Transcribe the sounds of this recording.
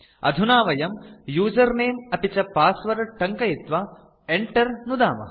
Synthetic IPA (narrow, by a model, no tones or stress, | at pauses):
ɐ̰d̪ʱunaːʋɐjɐmjuːd͡ʒɐɾneːmɐpit͡ʃɐpaːsʋɐɾɐʈɐŋkɐjit̪ʋɐ | eɳʈɐɾnud̪a̰ːmɐ̰